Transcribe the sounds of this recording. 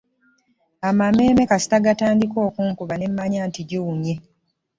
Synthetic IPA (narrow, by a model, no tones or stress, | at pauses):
amame̞ːme̞kasi̥taɡataːndiko̞ːkuːŋkuβane̞mːaɲaːntiɟiwuɲe